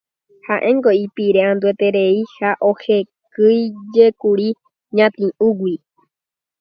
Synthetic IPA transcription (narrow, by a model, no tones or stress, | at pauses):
haʔẽŋɡoipiɾeãnd̪uet̪eɾeihaʔohekɨjd͡ʒekuɾi | ɲãt̪ĩʔũɡwʷi